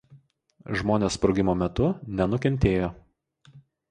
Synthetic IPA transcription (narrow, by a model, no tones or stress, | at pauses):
ʒmoːnʲeːspɾɔʊɡʲɪmoːmʲɛt̪ʊnʲɛnʊkʲɛnʲt̪ʲeːjoː